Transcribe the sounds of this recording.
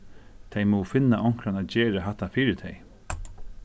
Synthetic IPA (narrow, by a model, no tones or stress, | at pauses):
t̪ʰɛjmɔwfɪnːaʔɔŋ̥kɾanaːt̪d͡ʑɛːɾaɦaht̪ːafiːɾɪt̪ʰɛj